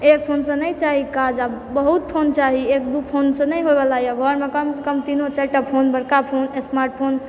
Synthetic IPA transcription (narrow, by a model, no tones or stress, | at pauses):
ek̚pʰonsə̃nəjt͡ʃaɦikad͡ʒabəɦut̪̚pʰont͡ʃaɦiekd̪upʰonsə̃nəjɦojbelajaɡʱɔɾmekəms̬ekəmt̪inot͡ʃɛʈapʰonbəɽkapʰonesmaɾʈ̚pʰon